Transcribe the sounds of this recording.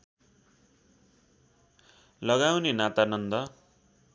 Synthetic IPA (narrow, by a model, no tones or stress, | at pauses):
lʌɡawnenat̪anʌnd̪ʌ